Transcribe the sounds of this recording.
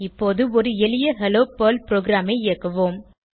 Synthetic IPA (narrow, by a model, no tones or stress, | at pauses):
ɪpːoːðɯɔɾɯɛlɪjɐɦɛloːpoːlpɪɾoːɡɾaːmɐɪɪɐkːɐʋoːm